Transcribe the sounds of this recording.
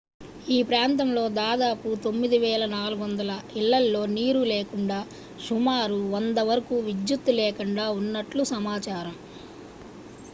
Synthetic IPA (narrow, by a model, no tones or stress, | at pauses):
iːpɾaːnt̪ɐmlo̞ːd̪aːd̪aːput̪o̞mːid̪iʋɛːlɐnaːluɡʋɐnd̪ɐlɐiɭːɐlːo̞ːniːɾuleːkuɳɖaː | ʃumaːɾuɔnd̪ɐʋɐɾɐkuʋid͡ʒjut̪ːuleːkuɳɖaːunːɐʈlusɐmaːt͡ʃaːɾɐm